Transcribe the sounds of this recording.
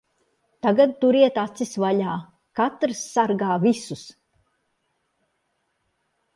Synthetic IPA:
t̪aɡad̪̚t̪uɾiɛt̪at̪sisvaʎaː | kat̪ɾsːaɾɡaːvisus

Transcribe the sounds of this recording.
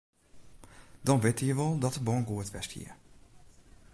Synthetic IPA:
d̥ɔnʋɪtəjəʋɔlˠdɔtəbɔːŋɡuətʋɛsthḭəɹ

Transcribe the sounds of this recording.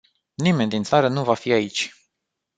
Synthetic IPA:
nime̞nd̪int̪saɾənuvafiait͡ʃʲ

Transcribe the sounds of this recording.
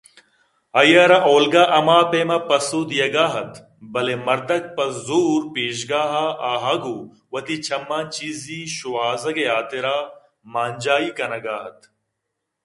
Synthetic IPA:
ɐjɐɾaʔoːlɡaːʔɐmaːpeːmɐpɐsuːd̪ijɐɡaːɦɐt̪ | bɐlemɐɾd̪ɐk̚pɐszuːɾpeːʃ̬ɡaːɦaaːɦɐɡu | wɐt̪it͡ɕʰɐmːaːnt͡ʃiːziʃuwaːzɐɡeaːt̪eɾaː | maːnʲd͡ʒaːiːkɐnɐɡaːɦɐt̪̚

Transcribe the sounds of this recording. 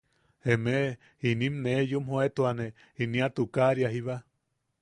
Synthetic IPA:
eme | inĩmnejumɦoet̪uane | iniat̪ukaɾjaɦiβa

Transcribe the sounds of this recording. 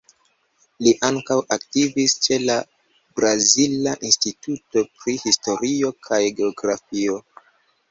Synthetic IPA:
liʔaŋkawʔaktivist͡ʃe̞la | bɾazilaʔinstituto̞pɾihisto̞ɾio̞kʰajɡe̞oɡɾafio̞

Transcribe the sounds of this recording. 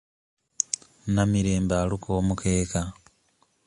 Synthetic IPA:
namiɾe̞ːmbaːlukʰoːmukʰeːka

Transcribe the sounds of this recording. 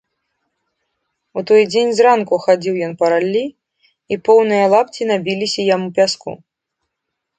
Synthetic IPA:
ut̪ɔjd͡zʲenʲzrankuxad͡zʲiwjɔnpɐɾalʲːi | ipɔwnɨjɐlˠapt͡sʲinabʲilʲisʲɐjamupʲaskṵ

